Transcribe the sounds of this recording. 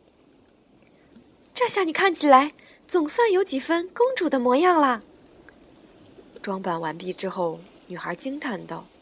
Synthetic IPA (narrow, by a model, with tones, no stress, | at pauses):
ʈ͡ʂa˥˧ɕja˥˩ni˨˩kʰa˥˩nt͡ɕʰi˨˩la˧˥ɪ | t͡sʊ˨˩ŋswa˥˩njo˧˥ʊt͡ɕi˨˩fə˥nkʊ˥ŋʈ͡ʂu˨˩d̪ə˦mwɔ˧˥jɑ˥˩ŋlə˨ | ʈ͡ʂwɑ˥ŋpa˨˩nwa˧˥npi˥˩ʈ͡ʂɻ̩˥xo˥˩ʊ | ny˨˩xə˞˧˥t͡ɕi˥ŋt̪ʰa˥˩nt̪ɑ˥˩